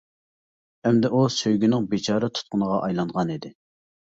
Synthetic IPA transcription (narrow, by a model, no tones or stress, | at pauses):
ɛmd̪ɛʔusøjɡʲynɪŋbet͡ʃʰɑːɾɨt̪ʰʊ̥t̪̚qʰʊnəʁɑʔɑjlˠɑɴʁɑnid̪ɪ